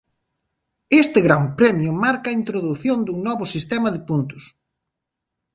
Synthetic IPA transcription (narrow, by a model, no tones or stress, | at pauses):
est̪ɪɣɾampɾɛmjʊmaɾkɐaːint̪ɾoðuθjond̪uŋnɔβʊsist̪ɛmɐðɪpunt̪ʊ̥s